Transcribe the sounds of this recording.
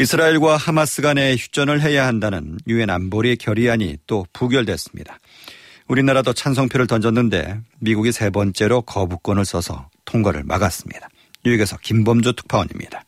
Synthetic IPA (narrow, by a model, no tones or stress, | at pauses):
isʰɯɾaiɭɡwahamas͈ɯɡane̞çju̥t͡ɕ͈ʌnɯɭɦe̞jahandanɯnjue̞na̰nboɾikjʌɾiaɲḭt͈opuɡjʌɭdwe̞s͈ɯ̥mɲḭd̥ḁ | uɾinaɾadot͡ɕʰans̬ʰʌŋpʰjoɾɯɭtʌnd͡ʑʌnːɯnde̞̰miɡuɡisʰe̞bʌnt͡ɕ͈e̞ɾokʌbuk͈ʌnɯɭs͈ʌsʰʌ̰tʰoŋɡʌɾɯ̰ɭmʔa̰ɡas͈ɯ̥mɲid̥ḁ | jueɡe̞sʰʌkimbʌmd͡ʑotʰɯ̥k̚pʰawʌɲḭmɲid̥ḁ